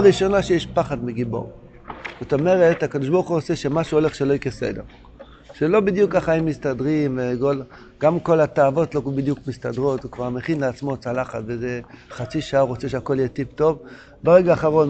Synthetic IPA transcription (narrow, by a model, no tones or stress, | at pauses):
ʁiʃo̞naʃejeʃpaχadmiɡibo̞̰ʁ | z̥ot̪o̞me̞ʁethakad̪oʃbouχuot͡seʃemaʃuole̞χʃeloikesḛde̞̰ʁ | ʃelo̞bid̪jukːaχaimːistadʁimveɡol | ɡ̥amko̞lat̪aːvo̞tlobid̪jukmistadʁo̞t̪vekvaʁmeχinleat͡smo̞t͡salaχatvezeχat͡siʃaaʁot͡seʃeako̞ljetipto̞v | beʁeɡaːχaʁo̞n